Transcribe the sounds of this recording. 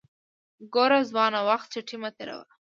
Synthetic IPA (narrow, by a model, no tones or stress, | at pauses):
ɡoɾazwɑnawaxt̪̚t͡ʃaʈʰimat̪eɾa̰wa̰